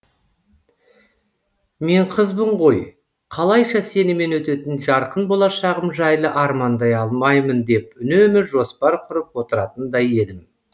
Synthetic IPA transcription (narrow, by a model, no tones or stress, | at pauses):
me̞ɴqʰəzbəɴʁo̞j | qʰɑlˠɑjʃɑse̞nɪme̞nwɵt̪e̞t̪ɪnʒɑɾqənbo̞lˠɑʃɑʁəmʒɑjlˠəʔɑɾmɑnd̪ɑjɑlˠmɑjmənd̪e̞p̚ʏnemɪʒo̞spɑɾqʰʊɾəpwo̞t̪əɾɑt̪ənd̪ɑje̞d̪ɪm